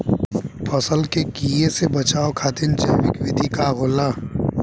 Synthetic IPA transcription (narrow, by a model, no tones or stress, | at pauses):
pʰəsəlkeɡiːesebɐt͡ʃaːokʰaːt̪ɪnt͡ʃaʋɪkʋɪd̪ʱikaɦoːlaː